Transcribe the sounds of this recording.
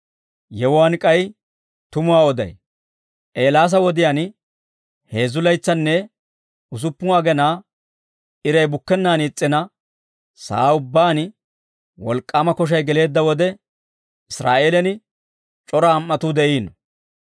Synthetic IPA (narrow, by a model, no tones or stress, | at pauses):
jɛwʊwaːnkʼɐj | t̪ʊmʊwaːɔd̪ɐ̰j | ʔe̞ːlaːs̬ɐwɔd̪ɪjaːn | he̞ːzʊlɐjt͡sːɐnːɛ | ʊs̬ʊpːʊwaːɡɛnaː | ɪɾɐjbʊkːɛnːaːniːt͡sʼːɪnɐ | sa̰ːʊbːaːn | wɔ̰lkʼːaːmɐkɔʃ̬ɐjɡɛle̞ːd̪ːɐwɔd̪ɛ | ɪsɾa̰ːʔeːlɛnɪ | t͡ʃʼɔɾɐːmːɐt̪ʊd̪ɛʔiːnɔ